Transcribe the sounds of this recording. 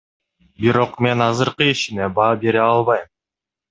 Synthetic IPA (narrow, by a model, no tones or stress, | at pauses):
biɾo̞qme̞nɑzɯɾqɯiʃine̞bɑːbe̞ɾeɑlˠβɑjm